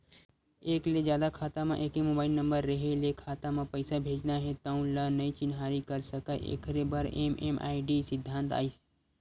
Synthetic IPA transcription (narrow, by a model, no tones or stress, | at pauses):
eːkled͡ʒjaːd̪akʰaːt̪amã̰ʔeːkemobaːɪlnə̃mbəɾːəɦelekʰaːt̪amãpəɪsabʱeːd͡ʒnaɦẽt̪əũlənəĩt͡ʃɪnɦaːɾikəɾsəkaːjʔḛkʰɾebəɾemḛmʔa̰ːiɖisɪd̪ʱːãnt̪a̰ːis